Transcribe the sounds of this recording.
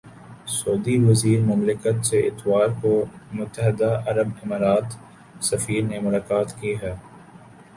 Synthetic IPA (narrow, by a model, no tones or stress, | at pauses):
soːd̪iʋɐziːɾmʊmlɪkət̪seʔɪt̪ʋaːɾkomʊt̪ːəɦɪd̪aʔɐɾəbɪmaːɾaːt̪ | sɐfiːɾnemʊlaːkaːt̪kiɦɛː